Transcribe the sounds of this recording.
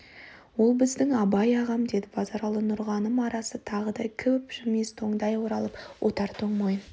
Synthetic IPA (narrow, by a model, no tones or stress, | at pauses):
wo̞lˠbɪzd̪ɪŋɑbɑjɑʁɑmd̪e̞d̪ɪbɑzɑɾɑlˠənʊɾʁɑnəmɑɾɑsət̪ʰɑʁəd̪ɑjkʲʰʏpʒ̥ʏɾme̞st̪ʰo̞ɴd̪ɑjwoɾɑlˠəpwʔot̪ɑɾt̪ʰoɴmojn